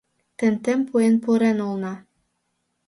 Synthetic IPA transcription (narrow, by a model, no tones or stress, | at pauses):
t̪ɘ̆nt̪ĕmpujenpuɾenulˠnɑ